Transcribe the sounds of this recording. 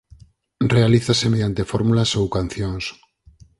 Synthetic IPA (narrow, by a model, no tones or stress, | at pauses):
realiθasemeðjant̪efoɾmulasowkan̟θjoŋs